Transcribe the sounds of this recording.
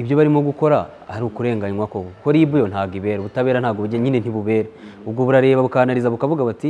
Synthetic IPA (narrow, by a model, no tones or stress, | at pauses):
iβjo̞βaɾimoɡuko̞ɾa | aɾiukuɾe̞ːŋɡaɲwakokoko̞ɾiːβujo̞nhaːɡiβe̞ːɾoβutaβe̞ːɾan̥haːɡoβuɟeɲinen̥hiβuβe̞ːɾaobɡoβuɾaɾe̞ːβaβukanaɾizaβukavuɡaβati